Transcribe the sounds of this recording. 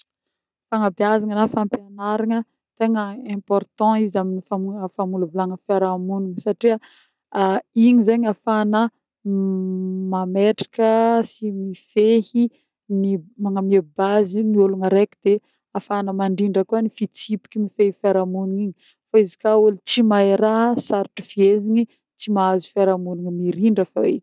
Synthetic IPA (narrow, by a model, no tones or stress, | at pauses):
faŋabjazaŋənafãmpjanaɾaŋə | t̪eŋəɛ̃pɔrt̪ɑ̃izaminifamufamulavulaŋəfeɾamunuŋəsaʈ͡ʂia | iɲizeɲafanə | mameʈ͡ʂḁkəsimifehi | nimaŋamiebazinioluŋəɾekid̪̥e | afanəmaɳɖ͡ʐiɳɖ͡ʐəkuanifit͡sipi̥kʲimifehifaɾamunuŋiɲi | faizi̥kaulit͡simaeɾasaɾiʈ͡ʂi̥fieziɲi | t͡simaazu̥faɾamunuŋmiɾiɳɖ͡ʐəfa̰ḛk̪